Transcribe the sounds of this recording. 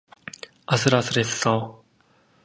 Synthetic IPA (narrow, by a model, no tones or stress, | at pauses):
asʰɯɾasɯɾesːʌ